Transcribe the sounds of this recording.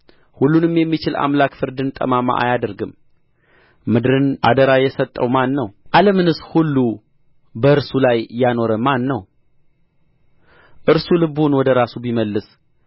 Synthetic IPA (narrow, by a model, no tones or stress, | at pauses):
hulːunɨmjɛmːit͡ʃɪla̰mlakfɨɾd̪ɨnt̪ʼə̰mama̰ʔa̰jad̪əɾɡɨm | mɨd̪ɾɨnʔa̰d̪əɾajɛsət̪ʼːəwmanːəwʔaləmɨnɨshulːu | bəɨɾsulajjano̞ɾəmanːəw | ʔɨɾsulɨbunwɔd̪əɾasubiməlːɨs